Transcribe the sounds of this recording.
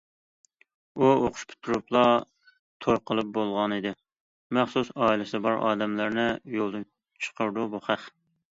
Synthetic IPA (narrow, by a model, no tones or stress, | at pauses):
uoqʰʊ̥ʃpʰɪ̥t̪ʰːuɾuplˠɑ | t̪ʰojqʰəlˠɨp̚bolˠʁɑnid̪ɪ | mæχsusɑːilɪsɪbɑɾʔɑ̰ːd̪ɛmlæɾnɪjolˠd̪ɨn | t͡ʃʰə̥qʰəɾd̪ubuχæχ